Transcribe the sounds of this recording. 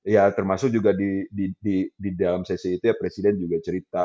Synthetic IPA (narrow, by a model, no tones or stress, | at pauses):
jat̪ərmasʊk̚d͡ʒuɡadididididalamsɛsiːt̪ujapɾesidɛnd͡ʒuɡat͡ʃəɾit̪a